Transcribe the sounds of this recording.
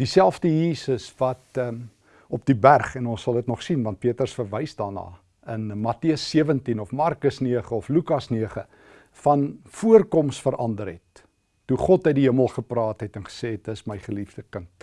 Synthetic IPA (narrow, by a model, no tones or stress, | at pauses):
d̥isælˠfdəjiːsəsvɐtː | ɔp̚dibærχɛnɔnsɐlˠətnɔχsinvɐnt̚piətərsfərvəjsdɑːrnɑ̰ː | ənmɐtiəsːiəvəntinɔfmɑrkəsniəχəɔflʉkɐsniəχə | fɐnfuərkɔmsfəɾʔɐndəɾɛtː | uχɔtəɥdiɦiəməlˠχəprɑːtɦɛtɛnχə̥seːt̚dəsməjχəlifdəkənt